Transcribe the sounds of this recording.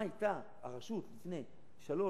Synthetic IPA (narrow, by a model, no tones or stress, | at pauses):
ait̪a | aʁaʃut̪lifne̞j | ʃalo̞